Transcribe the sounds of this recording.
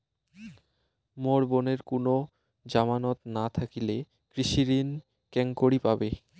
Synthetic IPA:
moɽboneɾkono | d͡ʑamanot̪nat̪ʰakile | kɾiʃiɾin | kɛŋkoɽipabe

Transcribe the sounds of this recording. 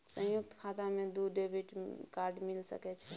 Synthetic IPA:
sə̃juk̚t̪kʰat̪amed̪uɖebʱiʈkaɾɖmilsə̰kɛt͡ʃʰɛ

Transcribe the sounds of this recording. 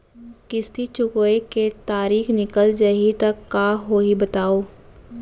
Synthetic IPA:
kɪst̪ʰit͡ʃʊkːeket̪aːɾiːxnɪkəld͡ʒɐɦit̪ɐkːaːɦoːɦibɐt̪aːoː

